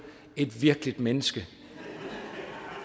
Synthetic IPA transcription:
e̝d̥ʋiɐɡ̥əlid̥menəsɡ̥ə

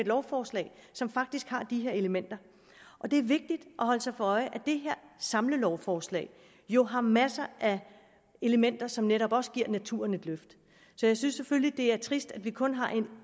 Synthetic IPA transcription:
ed̥lɒʊfɒːslɛ̰ːɪsɒ̽mfɑ̈ɡ̥̚d̥isɡ̥hɑ̈d̥iɦeɐ̰e̝ləmen̰d̥ɐ | ʔɒ̽d̥e̝æɐʋe̝ɡ̥̚d̥id̥ʔɒ̽ɦɒ̽l̰əsɑ̈ɪfɒɒ̽ɪʔæd̥e̝ɦeɐ̰sɑ̈mləlɒʊfɒːslɛ̰ɪ | jo̝ɦɑ̈mæsɐʔæ | e̝ləmen̰d̥ɐsɒ̽mneɾɒ̽b̥ɒ̽sə̥ɡ̥iɐ̰næt͡sʰṵːɐ̰ne̝d̥løfd̥ | sɒ̽jɑ̈ɪsynsːeføllid̥e̝æɐt͡sʰʁisd̥ædʋikʰɔ̽nɦɑ̈ʔe̝n

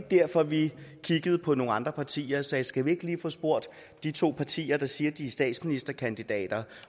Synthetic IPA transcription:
ɡ̥̚d̥æɐ̰fɒ̽ʋikʰiɡ̥əð̩ˠpʰɒ̽no̝ːŋ̩ɑ̈nd̥ʁɐpʰɑ̈t͡sʰḭːɐsɛːsɡ̥æʋie̝ɡ̥liːfɔ̽ːsb̥o̝ɐ̰d̥ | d̥it͡sʰo̝̰ːpʰɑ̈t͡sʰḭːɐd̥ɑ̈siːɐd̥isd̥ɛ̰ːd̥sminisd̥ɐkʰænd̥id̥ɛ̰ːd̥ɐ

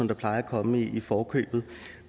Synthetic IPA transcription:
ɒ̽md̥ɑ̈pʰl̥ɑ̈ɪɐækʰɒ̽məiifɒːkʰø̰ːb̥ð̩ˠ

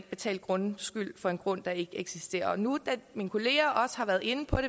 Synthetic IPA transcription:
b̥e̝t͡sʰɛ̰ːld̥̚ɡ̥ʁɔ̽nsɡ̥yl̰fɒ̽e̝nɡ̥ʁɔ̽n̰d̥ɑ̈e̝ɡ̥əeɡ̥sisd̥e̝̰ːɐɒnud̥æminkʰo̝le̝ːɐʔɒ̽sə̥hɑ̈ʋæɐðˠe̝nəpʰɒ̽ɾ̥e

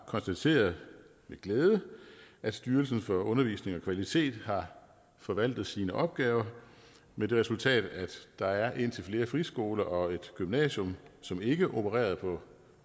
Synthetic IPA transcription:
kʰɒ̽nsd̥æt͡sʰe̝̰ːɐðˠ | meɡ̥leːðˠəʔæd̥sd̥yːɐlsn̩fɒ̽ɔ̽nɐʋḭːsne̝ŋɒ̽kʰʋælit͡sʰe̝̰ːd̥ɦɑ̈ | fɒ̽ʋæl̰d̥ð̩ˠsiːnəʔɒ̽b̥̚ɡ̥ɛːʊɐ | med̥e̝ʁɛsult͡sʰɛ̰ːd̥æ̥d̥ɑ̈æɐʔe̝n̰t͡sʰe̝lfle̝ːɐfʁisɡ̥o̝ːlɐʔɒ̽e̝d̥ɡ̥ymnɛ̰ːɕɔ̽msɒ̽me̝ɡ̥əʔo̝pʰəʁɛ̰ːɐð̞ˠpʰɒ̽

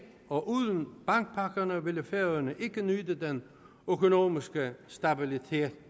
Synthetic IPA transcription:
ɒ̽ʔuð̰ˠən̩b̥ɑ̈ŋɡ̥̚pʰɑ̈ɡ̥ɐnəʋe̝ləfeɐðˠɐnəʔe̝ɡ̥ənyd̥əd̥en | økʰo̝no̝ːmisɡ̥əsd̥æb̥ilit͡sʰe̝̰ːd̥

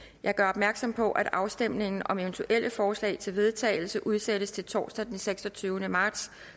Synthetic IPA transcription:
jʔɑ̈ɪɡ̥ɶɐɒ̽b̥mæɐɡ̥sɒ̽m̰pʰɒ̽ʔæd̥ɑ̈ʊsd̥em̰ne̝ŋn̩ɒ̽me̝ʋnt͡sʰuʔel̰əfɒːslɛ̰ɪt͡sʰe̝lʋe̝ð̞ˠt͡sʰɛ̰ːɪl̩səʔuð̞ˠseɾəst͡sʰe̝lt͡sʰɒ̰ːsd̥æd̥enseɡ̥sɒ̽t͡sʰyːʊnəmɑ̈ːd̥s

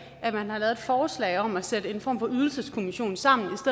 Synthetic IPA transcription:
æmænhɑ̈lɛːð̥ˠfɒːslɛ̰ɪɒ̽mæsedəe̝nfɒ̰ːmfɒ̽yð̞ˠl̩səskʰo̝miɕo̝̰ːn̩sɑ̈m̰n̩isd̥e

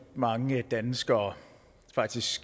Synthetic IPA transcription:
mɑ̈ŋəd̥ænsɡ̥ɐː | fɑ̈ɡ̥̚d̥isɡ̥ɡ̥

